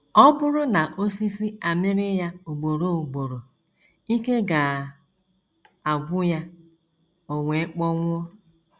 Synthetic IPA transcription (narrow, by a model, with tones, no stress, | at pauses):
ɔ˦bʊ˦ɾʊ˦na˨ʔo˦si˦si˦a˨mɪ˦ɾɪ˦ja˦o˨ɡ͡bo˨ɾo˦u˨ɡ͡bo˨ɾo˨ | i˦ke˦ɡa˨ | a˨ɡʷʊ˦ja˦ | o˨ŋʷe˨˦k͡pɔ˦ŋʷʊ˦ɔ˦